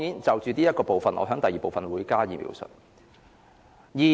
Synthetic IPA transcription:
jiː˨˥nt͡sɐ˨wt͡ʃyː˨˧t̪iː˥jɐ˥t̚kɔː˧po˨wfɐ˨nʔɔ̰ː˨˧ɦœː˨˥ŋt̪ɐ˨jiː˨˩po˨wfɐ˨nwuː˨˧jkaː˥jiː˨˩mḭː˨˧˥wsɵ̰˨t̚ | jiː˨

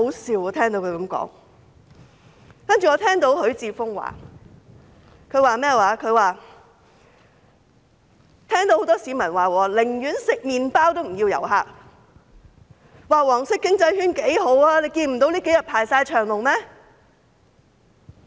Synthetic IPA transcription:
ho˨˥wsiː˨wɔː˨˧t̪ʰɛː˥ŋt̪o˧˥wkʰɵ˨˧ɥkɐ˨˧˥mkɔ̰ː˨˥ŋ | kɐ˥nt͡ʃyː˨˩ŋɔː˨˧t̪ʰɛː˥ŋt̪o˧˥wɦɵ˨˥ɥt͡siː˧fʊ˥ŋwa̰ː˨˩ | kʰɵ˨˧ɥwaː˨mɛː˥˩waː˨˧kʰɵ˨˧ɥwaː˨˩ | t̪ʰɛː˥ŋt̪o˧who˨˥wt̪ɔː˥siː˨˧˥mɐ˨˩nwaː˨˩wɔː˨˧lɪ˨˩ŋjyː˨˥nsɪ˨k̚miː˨˧npaː˥wt̪o˥wm̩˨˩ji˧wjɐ̰˨˩wɦa̰ː˧k̚ | waː˨wɔː˨˩ŋsɪ˥kːɪ˥ŋt͡sɐ˧jhyː˥nke˨˥jɦo˨˥waː˧le˨˧jkiː˧nm̩˨˩t̪o˨˥wliː˥ke˨˥jɐ˨t̚pʰaː˨˩jsaː˧jt͡ʃʰœː˨˩ŋlʊ˨˩ŋmɛː˥

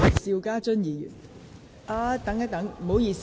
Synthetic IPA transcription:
siː˧wkaː˥t͡ʃɵ˥njiː˨˧jy̰˨˩n | ʔaː˧t̪ɐ˨˥ŋɐ˥t̪ɐ˨˥ŋm̩˨˩ho˨˥wjiː˧s

